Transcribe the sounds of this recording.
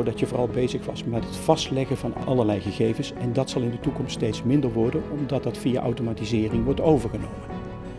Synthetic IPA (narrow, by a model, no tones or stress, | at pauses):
odɑtəvʊːrɑlˠbejzəχʋɑsmɛtɦətfɑstlɛɣəvɑnɑ̰ləɹlɛjχəɣejvənsɛndɑtsɑlˠɪndətukɔmststejtsmɪndəɹʋɔɹdənɔmdɑt̚dɑtfija̰ʔa̰wtomaːtizɪːrɪŋʋɔɹtowvəɹχənowmən